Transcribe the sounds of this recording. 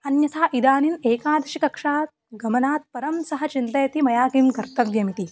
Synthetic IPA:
ɐnjɐsaːʔid̪aːnineːkaːd̪ɐʃikɐkʂaːt̪̚ɡɐmɐnaːt̪̚pɐɾɐmsɐɦɐt͡ʃint̪ɐjɐt̪imɐjaːkimɡɐɾt̪ɐʋjɐmit̪i

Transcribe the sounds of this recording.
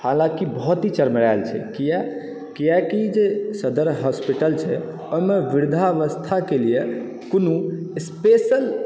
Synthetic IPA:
halãkibɔɦt̪it͡ʃəɾməɾalt͡ʃʰɛ̰kija | kijakid͡ʒesəd̪əɾɦɔspiʈəlt͡ʃʰɛ | ojmeʋiɾd̪ʱaʋəst̪ʰakelije | konuespesəl

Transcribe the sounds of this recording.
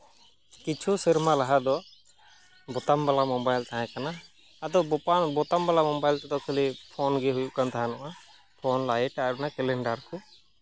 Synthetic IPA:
kit͡ʃʰusiɾmalaɦad̪ɔ | bɔt̪ambalamɔbajlt̪aɦãkanaː | d̪ɔabɔt̪ambalamɔbajlt̪ɛd̪ɔkʰulipʰɔnɡɛɦujuʔkant̪aɦanɔʔa | pʰɔnlajɛʈaɾnakɛlɛɳɖaɾku

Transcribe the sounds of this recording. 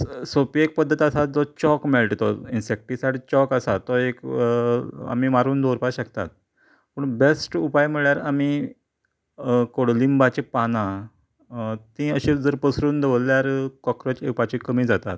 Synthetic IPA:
sopiek̚pəd̪ʱːət̪əsad͡zɔt͡ɕɔkmɛlʈt̪ɔinsek̚ʈisajɽt͡ɕɔkasat̪ɔek | a̰miːmaɾuːnd̪oɾupaɕəkt̪a̰t̪̚ | pəɳbesʈupajmiɭjaɾami | koɽlimbat͡ɕipanã | t̪ĩəɕĩd͡zəɾpəsɾuːnd̪eʋəlljaɾkɔkɾət͡ɕepat͡ɕikəmiːd͡zat̪a̰t̪̚

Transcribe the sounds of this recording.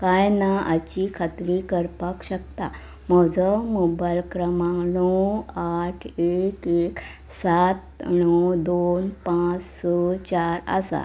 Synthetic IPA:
kajnaʔa̰t͡ɕikʰat̪ɾikəɾpakɕək̚t̪a̰ | mɔd͡zəmubajlkɾəmãŋnɔwaʈʰekek | sat̪̚ɳɔwd̪onpãt͡ssɔt͡ɕaɾə̰sa̰

